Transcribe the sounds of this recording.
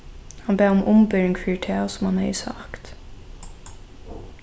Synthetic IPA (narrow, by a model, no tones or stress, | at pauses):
hɑnbeːʊmʔʊmbœɹɪŋkʰfɪʈʰeːsʊmhɑnhɛ̰ɪsɑ̰kt̪